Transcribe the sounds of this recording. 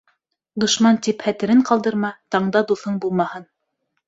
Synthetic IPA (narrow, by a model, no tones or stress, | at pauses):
d̪ŏʃmɑnt̪iphæt̪ɘ̆ɾɘɴqɑlˠd̪ɤ̆ɾmɑt̪ɑɴd̪ɑd̪uθɤɴbulˠmɑhɤn